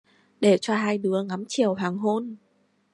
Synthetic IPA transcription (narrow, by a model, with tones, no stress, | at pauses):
ɗe˧˩t͡ɕɔ˧ɦaː˧jɗɨ˨˦əŋa˨˦mt͡ɕi˨˩əwɦaː˨˩ŋɦo˧n